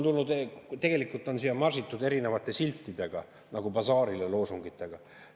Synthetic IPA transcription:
nt̪ulnud̪t̪eɡ̥e̞likːˑult̪ːˑo̞nsijɑmɑrsit̪ːˑud̪e̞ɾine̞vɑt̪ːˑe̞silʲt̪ːid̪e̞ɡ̥ɑ | nɑɡ̥ubɑsɑːɾilelo̞ːsuŋɡit̪ːˑe̞ɡ̥ɑ

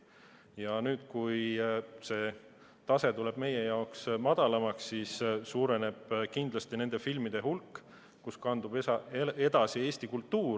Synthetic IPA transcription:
jɑnyːd̪̥kujse̞ː | t̪ɑse̞t̪ule̞b̥me̞je̞jɑoksmɑd̪̥ɑlɑmɑksːissuːɾe̞ne̞b̥kind̪lɑst̪ine̞nd̪̥e̞filmid̪̥e̞hulkːˑ | kuskɑnd̪ub̥ed̪̥ɑsie̞ːst̪ikult̪ːuːɾ

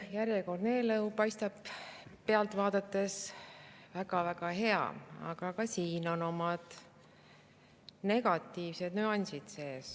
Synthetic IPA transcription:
jæɾjeko̞rd̪ne̞ːlɤwpɑjst̪ɑb̥pe̞ɑlt̪ˑvɑːd̪̥ɑt̪ːˑe̞s | væɡ̥ɑvæɡ̥ɑɦe̞ɑ̰ɑ̰ɡ̥ɑkɑsiːno̞no̞mɑd̪̥ | ne̞ɡ̥ɑt̪ːiːvse̞d̪̥nyːɑnʲsid̪̥se̞ːs

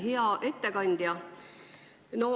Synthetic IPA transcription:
ɦeɑʔe̞t̪ːekɑnʲd̪̥jɑ | no

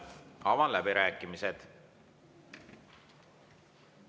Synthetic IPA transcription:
ɑvɑlæbiɾæːkːˑimised̪̥

